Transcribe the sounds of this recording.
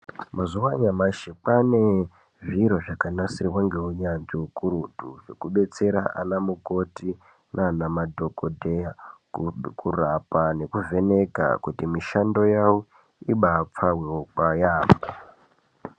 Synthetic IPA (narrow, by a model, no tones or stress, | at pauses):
mazuwaɲamaʃek͡pane̞ | ʐiɾoʐakanasiriwaŋɡe̞uɲand͡ʒiukuɾudʱuʐe̞kuɓe̞t͡se̞ɾa̰ʔa̰namuko̞ti | nʔanamadʱo̞kodʱeja | kurapane̞kuve̞ne̞ka̰kutimiʃando̞jawu | iɓap͡faweokwajaːmo